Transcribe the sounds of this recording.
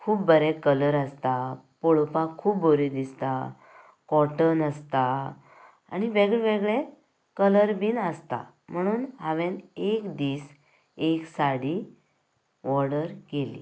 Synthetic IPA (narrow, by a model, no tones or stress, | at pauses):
kʰuːbbəɾɛkələɾəst̪a | poɭpãkʰuːbboɾid̪ist̪a | kɔʈənəst̪a | a̰niʋeɡɭʋeɡɭe | kələɾbiːnəst̪a̰ | m̤əɽ̃uːnɦaʋẽnekd̪iːs | eksaɽi | ʋɔɽəɾɡelḭ